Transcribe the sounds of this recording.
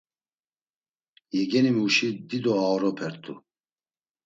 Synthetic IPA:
jɛɡɛnimuʃid̪id̪ɔaɔɾɔpʰɛɾt̪ʰʼṵ

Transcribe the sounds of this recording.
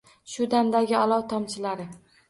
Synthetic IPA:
ʃʊd̪amd̪aɡʲɪalˠɒwt̪ʰɒmt͡ʃʰɪlaɾɪ

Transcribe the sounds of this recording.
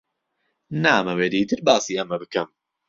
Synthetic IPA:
naːmɐweːd̪iːt̪ɨɾbaːsiːʔɐmɐbɨkɐm

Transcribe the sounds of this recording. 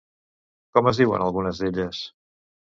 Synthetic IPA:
kɔməzðiwə̰nəlˠɣunəzðeʎəs

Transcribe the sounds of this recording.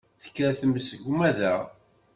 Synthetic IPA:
θə̥kːɾæθəmːəsəʝumæðæʁ

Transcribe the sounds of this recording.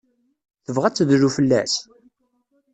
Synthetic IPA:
θəvʁæt͡sːðɾufəlːæ̰s

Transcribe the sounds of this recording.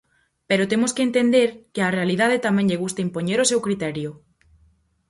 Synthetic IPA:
peɾot̪emoskeent̪end̪eɾkɪarealiðað̞et̪amɛ̃ɲʎeɣust̪aimpoɲeɾosewkɾit̪ɛɾjʊ

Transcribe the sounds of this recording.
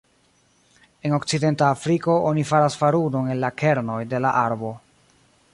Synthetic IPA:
e̞no̞kt͡side̞ntaːfɾiko̞ʔonifaɾasfaɾuno̞ne̞nlake̞ɾno̞jde̞laʔaɾbo̞

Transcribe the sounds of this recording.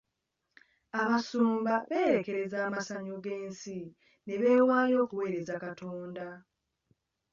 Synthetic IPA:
aβasuːmbaβe̞ːɾe̞ke̞ɾe̞zaːmasaɲoɡe̞ːnsi | ne̞βe̞ːwaːlo̞ːkuwe̞ːɾe̞zakatʰoːnda

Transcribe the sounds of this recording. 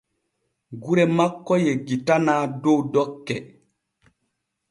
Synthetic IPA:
ɡuɾɛmakːɔjeɡitanaːdowdɔkːɛ

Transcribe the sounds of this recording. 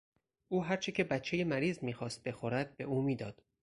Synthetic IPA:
ʔuːɦæɾt͡ʃʰecʰe̞bæt̪t͡ʃʰːe̞jemæɾiːzmiːxɒːst̪̚be̞xoɾæd̪̥̚be̞uːmiːd̪ɒːd̪̥

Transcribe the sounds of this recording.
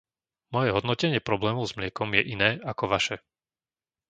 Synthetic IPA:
mɔjɛɦɔd̪nɔcɛɲɪɛpɾɔblɛːmɔʊzmlɪɛkɔmjɛʔinɛːʔakɔʋaʃɛ

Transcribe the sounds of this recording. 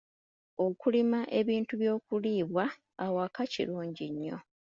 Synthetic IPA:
o̞kulimaʔe̞βiːntuβjo̞ːkuliːβwaː | wakacḭɾuːɲɟiɲːo̞̰

